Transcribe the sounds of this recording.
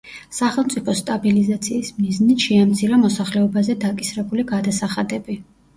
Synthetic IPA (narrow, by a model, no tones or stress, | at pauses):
saχɛlˠmt̪sʼipʰɔst̪ʼabilizat̪sʰiːsmiznit̪ʃɛamt̪sʰiɾamɔsaχlɛɔbazɛd̪akʼisɾɛbuliɡad̪asaχad̪ɛbi